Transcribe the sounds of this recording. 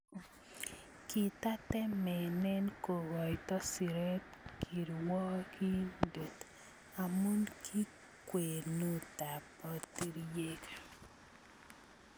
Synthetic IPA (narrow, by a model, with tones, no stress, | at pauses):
ki˨ta˦tɛ˦mɛ˨nɛ˦nko˨ɣɔ˨i˨tɔ˦si˨ɾe˦tkʰi˨ɾwɔ˦kʰi˦ndo˨t | a˨mo˦nkʰi˦ | kwe˨no˦ta˨pɔ˨ti˦ɾje˦kḁ˨